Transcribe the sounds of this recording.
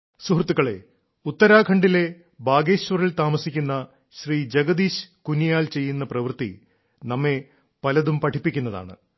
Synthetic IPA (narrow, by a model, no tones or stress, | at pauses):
suhrt̪ːuɣɐɭe̞̰ | ut̪ːɐɾaːkʰɐɳɖile̞ | baːɡeːɕʋɐrilt̪aːmɐsikʲːunːɐ | ɕriːd͡ʑeɡɐd̪iːɕkunijaːlt͡ɕe̞jːunːɐprɐʋɨrt̪ḭ | nɐmːe̞ | pɐlɐðumpɐʈʰipːikʲːunːɐða̰ːɳɨ̰